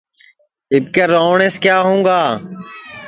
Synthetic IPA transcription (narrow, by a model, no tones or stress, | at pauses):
ɪb̚keɾoːɳeːskjaːɦũːɡaː